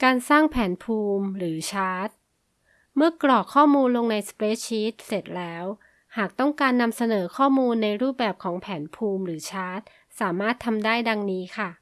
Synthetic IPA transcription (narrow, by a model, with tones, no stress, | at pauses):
kaː˧nsaː˥˩ŋpʰɛː˩˦npʰuː˧mɾɯː˩˦t͡ɕʰaː˦˥t̪̚ | mɯ˥˩ɐklɔː˨˩kʰːɔː˥˩muː˧nlo˧ŋna˧jspɾeː˦˥t͡ɕʰiː˦˥t̪̚se˨˩t̪̚lɛː˦˥w | haː˨˩k̚t̪ɔ˥˩ŋkaː˧nːa˧msa˧nɤː˩˦kʰɔː˥˩muː˧nːa˧jɾuː˥˩p̚bɛː˨˩p̚kʰɔː˩˦ŋpʰɛː˩˦npʰuː˧mɾɯː˩˦t͡ɕʰaː˦˥t̪̚ | saː˩˦maː˥˩t̪ʰːa˧mdaː˥˩jda˧ŋniː˦˥kʰa˥˩